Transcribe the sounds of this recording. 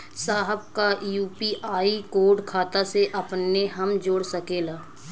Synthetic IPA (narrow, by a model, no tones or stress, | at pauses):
saːɦəb̚kajuːpiʔaːikoːɾɖkʰaːt̪aseʔɐpneɦəmd͡ʒoːɽsəkeːlaː